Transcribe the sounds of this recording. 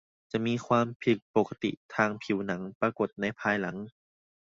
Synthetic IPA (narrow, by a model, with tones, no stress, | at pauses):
t͡ɕa˨˩ʔmiː˧˥˨kʰwaː˧mpʰi˨˩k̚poː˨˩ka˧t̪ḭ˨˩t̪ʰaː˧˩ŋpʰi˨˩˦wna˩˦ŋpaː˧ko˨˩t̪̚na˧˥˩jpʰaː˧jla˩˦ŋ